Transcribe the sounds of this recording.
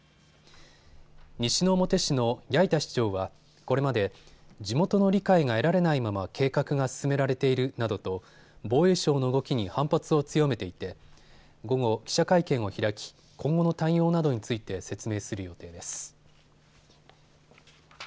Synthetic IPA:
ɲiɕino̞ːmo̞t̪e̞ɕino̞jait̪aɕi̥t͡ɕo̞ːβa | ko̞ɾe̞mad̪e̞d͡ʑimo̞t̪o̞no̞ɾʲikaiŋae̞ɾaɾe̞naimamakʰe̞ːkakɯ̟ɡasɨ̥sɨme̞ɾaɾe̞t̪e̞iɾɯ̟nad̪o̞t̪o̞ | bo̞ːe̞ːɕo̞ːno̞ɯ̟ɡo̞kʲiɲ̟ihãmpat͡sɨo̞t͡sɨjo̞me̞t̪e̞it̪e̞ | ɡo̞ɡo̞kʲi̥ɕakaikẽ̞ɰ̃o̞çiɾakʲi̥ | kʰõ̞ŋɡo̞no̞t̪aijo̞ːnad̪o̞ɲ̟it͡sɨit̪e̞se̞t͡sɨme̞ːsɨɾɯ̟jo̞t̪e̞ːd̪e̞sɨ̥

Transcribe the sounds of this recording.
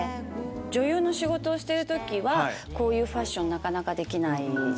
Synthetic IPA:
d͡ʑo̞jɯ̟ːno̞ɕiɡo̞t̪o̞ːɕi̥t̪e̞ɾɯ̟t̪o̞kʲiβako̞ːjɯ̟ːɸaɕːõ̞nːakanakad̪e̞kʲinai

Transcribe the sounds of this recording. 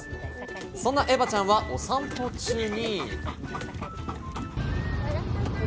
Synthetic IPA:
sõnːaʔe̞bat͡ɕãɰ̃βaʔosãmpo̞t͡ɕɨːɲ̟i

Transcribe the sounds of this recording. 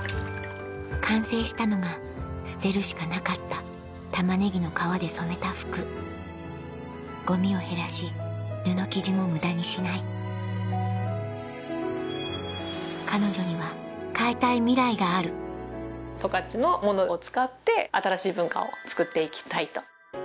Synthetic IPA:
kʰãɰ̃se̞ːɕi̥t̪ano̞ɡa | sɨ̥t̪e̞ɾɯ̟ɕi̥kanakat̪ːa | t̪amane̞ɡʲino̞kaβad̪e̞so̞me̞t̪aɸɯ̥kɯ̟ | ɡ̥o̞mʲio̞he̞ɾaɕid̪ɯ̟no̞kʲiʑimo̞mɯ̟d̪aɲ̟iɕinai | kano̞ʑo̞ɲ̟iβa | kait̪aimʲiɾaiɡaːɾɯ̟ | t̪o̞kat͡ɕino̞mo̞not͡sɨ̥kat̪ːe̞at̪aɾaɕiːbɯ̟̃ŋka̰o̞t͡sɨ̥kɯ̟t̪ːe̞ikʲi̥t̪ait̪o̞̥

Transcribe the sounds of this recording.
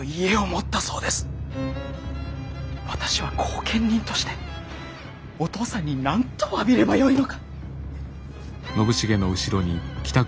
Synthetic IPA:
ie̞omo̞t̪ːaso̞ːd̪e̞sɨ̥ | βat̪ḁɕiβ̞akʰo̞ːkʰẽ̞ɲʲːĩnt̪o̞̥ɕi̥t̪e̞̥ | o̞t̪o̞ːsãɲ̟ːinãnt̪oabʲiɾe̞bajo̞ino̞kḁ | no̞bɯ̟ɕiɡe̞noɯ̟ɕiɾo̞ɲ̟ikʲi̥t̪a

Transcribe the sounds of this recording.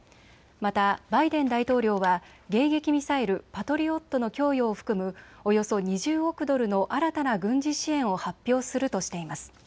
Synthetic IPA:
mat̪abaid̪ẽ̞nd̪ait̪o̞ːɾʲo̞ːβa | ɡe̞ːɡe̞kʲimʲisae̞ɾɯ̟pat̪o̞ɾʲio̞t̪ːo̞no̞kʲo̞ːjoːɸɯ̟̥kɯ̟mɯ̟o̞jo̞so̞ɲ̟iʑɨːokɯ̟d̪o̞ɾɯ̟no̞ʔaɾat̪anaɡɯ̟̃ɲ̟d͡ʑiɕiẽ̞ɰ̃o̞hapʲːo̞ːsɨɾɯ̟t̪o̞ɕi̥t̪e̞imasɨ̥

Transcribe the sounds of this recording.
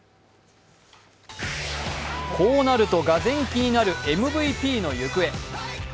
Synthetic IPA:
kʰo̞ːnaɾɯ̟t̪o̞ɡazẽ̞ŋkʲiɲ̟inaɾɯ̟e̞mɯ̟bɯ̟ipʲiːno̞jɯ̟kɯ̟e̞

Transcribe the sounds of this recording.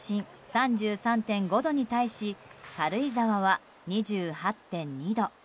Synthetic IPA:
ɕĩɰ | sãɲd͡ʑɨːsãnt̪ẽ̞ŋɡo̞d̪o̞ɲ̟it̪aiɕihaɾɯ̟izaβaβa | ɲ̟iʑɨːhat̪ːẽ̞ɲ̟ɲid̪o̞

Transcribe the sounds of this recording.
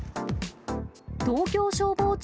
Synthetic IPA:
t̪oːkʲoːɕoːboːt͡ɕ

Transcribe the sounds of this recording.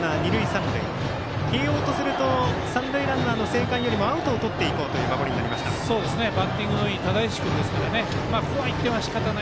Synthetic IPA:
aɲ̟iɾɯ̟isãnod̪e | keːjoːt̪o̞sɨɾɯ̟t̪o̞sãnd̪oiɾãnano̞se̞ːkãɰ̃jo̞ɾʲimo̞aɯ̟t̪o̞ːt̪o̞t̪ːe̞iko̞ːt̪o̞jɯ̟ːmabo̞ɾʲiɲina̰ɾimaɕi̥t̪a̰so̞ːd̪esɨne̞bat̪ːĩŋɡɯnoit̪ad̪aiɕi̥kɯ̟nd̪e̞sɨ̥kaɾane̞ | maːkoβait̪ːeβaɕi̥kat̪ana

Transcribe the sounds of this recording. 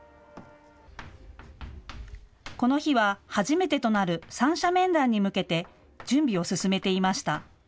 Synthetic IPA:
ko̞no̞çiβ̞ahaʑime̞t̪e̞t̪o̞naɾɯ̟sãɰ̃ɕamẽ̞nd̪ãɲ̟ːimɯ̟ke̞t̪e̞ | d͡ʑɨ̃mbʲio̞sɨsɨme̞t̪e̞imaɕi̥t̪a

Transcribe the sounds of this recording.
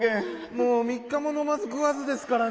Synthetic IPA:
ẽ | moːmʲikːamo̞no̞mazɨɡɯ̟βazɨd̪e̞sɨ̥kaɾa

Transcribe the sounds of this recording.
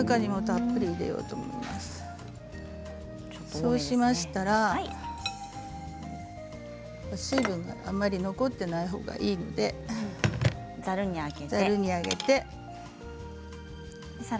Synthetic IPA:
ɯkaɲ̟imo̞t̪apːɯ̟ɾʲiːd̪e̞̰jo̞̰ːt̪o̞ːmo̞̰ḭmasɨ̥ | so̞ːɕimaɕi̥t̪aɾa | aɕiːbɯ̟̃ŋɡa̰ʔamːaɾʲino̞ko̞t̪ːe̞naiɦo̞̰ːɡa̰ʔiːno̞d̪e̞ | zaɾɯ̟ɲ̟iaɡezaɾɯ̟ɲ̟iaɡe̞̰t̪e̞

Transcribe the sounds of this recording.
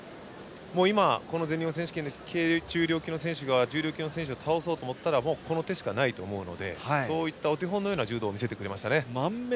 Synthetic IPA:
mo̞ːimako̞no̞ze̞ɲʲːĩõs̬ẽ̞ɕɨ̥kẽnd̪ekʰed͡ʑɨːɾʲoːkʲino̞sẽɕɨɡad͡ʑɨːɾʲo̞ːkʲino̞sẽ̞ɕ̬ɨot̪ʰao̞so̞ːt̪oːmo̞t̪ːaɾamo̞ːko̞no̞t̪e̞ɕi̥kanait̪o̞ːmo̞ɯ̟no̞̰d̪e̞̰haso̞ːit̪ːao̞t̪̬eɦõnːojoːnad͡ʑɨːd̪oːmʲis̬e̞t̪e̞kɯɾe̞maɕi̥t̪ane̞mam

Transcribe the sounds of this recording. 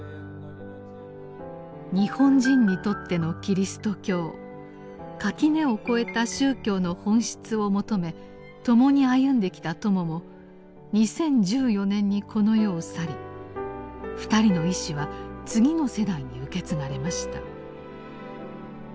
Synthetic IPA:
ɲ̟ihõ̞ɲd͡ʑĩɲ̟ːit̪o̞t̪ːe̞no̞kʲiɾʲisɨ̥t̪o̞kʲo̞ː | kakʲine̞oko̞e̞t̪aɕɨːkʲo̞ːno̞hõ̞ɰ̃ɕi̥t͡sɨo̞mo̞t̪o̞me̞ | t̪o̞mo̞ɲ̟iajɯ̟̃nd̪e̞kʲi̥t̪at̪o̞mo̞mo̞ | ɲ̟isẽ̞ɲ̟d͡ʑɨːjo̞nẽ̞ɲ̟ːikʰo̞no̞jo̞ːsaɾʲi | ɸɯ̟̥t̪aɾʲino̞iɕiβat͡sɨɡʲino̞se̞d̪aiɲ̟iɯ̟ke̞t͡sɨnaɾe̞maɕi̥t̪a̰

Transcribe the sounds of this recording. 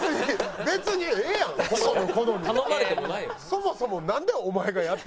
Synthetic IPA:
ɨɲibe̞t͡sɨɲ̟iejãkosonokonoɲiomaɾɯemoaso̞mo̞so̞mo̞nãnd̪e̞omaeɡajat̪ːe

